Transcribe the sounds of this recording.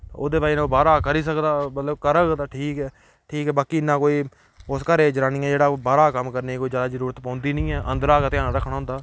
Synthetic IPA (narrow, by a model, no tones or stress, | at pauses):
o̰ːd̪eːbaːiñːbaːɾaːkəɾiːs̬əkd̪aːmət̪ləbkəɾəkd̪aːʈʰiːkɛː | ʈʰiːkɛːbaːkiːnãːkoːiː | ʊskəɾeːd͡ʒəɾaːniːɛ̃ːd͡ʒeːɽaːbaːɾaːkəmkəɾneːkoːiːzjaːd̪aːzəɾuːɾət̪pãːnd̪iːnĩːɛːʔə̰nd̪əɾaːkat̪ɪjãːnãːɾəkʰːɽaːɦʊ̃nd̪aː